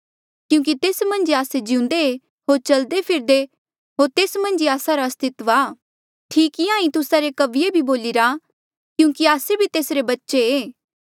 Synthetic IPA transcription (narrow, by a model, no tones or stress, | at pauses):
kjũːk̬it̪eːsmɐ̃nd͡ʒaːsed͡ʒɪ̃ũnd̪e | ɦoːɾt͡ʃɐld̪epʰɪɾd̪e | ɦoːɾt̪eːsmɐ̃nd͡ʒiaːsaɾaɐst̪ɪt̪ʋaː | ʈʰiːkɪãːĩt̪ʊsaɾekɐʋɪjebʱiboːliɾa | kjũːkiaːsebʱit̪eːsɾebɐtːʃeeː